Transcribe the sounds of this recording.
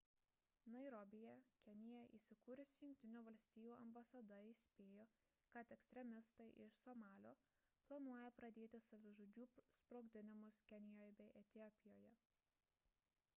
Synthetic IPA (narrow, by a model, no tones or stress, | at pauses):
nɐɪɾɔbʲɪjɛkʲɛnʲɪjɛʔḭːsʲɪkuːɾʲʊsʲjʊ̃ŋʲk̚ʲt̪ʲɪnʲuːʋɐlʲsʲt̪ʲiːjuːɐmbɐsɐd̪ɐisʲpʲeːjoː | kɐt̪ɛksʲt̪ʲɾʲɛmʲɪst̪ɐɪʔɪʃsɔmɑːlʲoː | plˠɐnuɔjɛpɾɐd̪ʲeːt̪ʲɪsɐʋʲɪʒoːd͡ʒʲuːspɾoːɡd̪ʲɪnʲɪmʊskʲɛnʲɪjoːjbʲɛɪʔɛt̪ʲɪɔpʲɪjoːjɛ